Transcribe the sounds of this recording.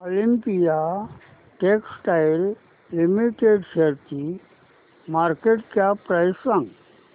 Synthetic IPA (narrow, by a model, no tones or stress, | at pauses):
olimpija | ʈeksʈajlː | imiʈeɖseɾt̪i | maɾkeʈkjapːɾajsãŋɡ